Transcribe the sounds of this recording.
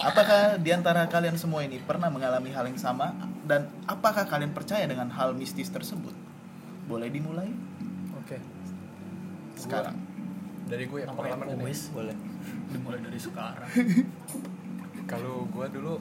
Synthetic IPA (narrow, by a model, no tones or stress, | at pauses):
apakahdiant̪aɾakaliansəmuainipərnahməŋalamiɦalɪŋsamadan | apakahkalianpərt͡ʃajadəŋanɦalmist̪ɪst̪ərsəbʊ̰t̪̚ | bolɛhdimulajoke | sə̥kaɾa̰ŋdaɾiɡuaapakalamanoisbolɛdimulaidaɾisəkaɾaŋ | kaloɡuadulu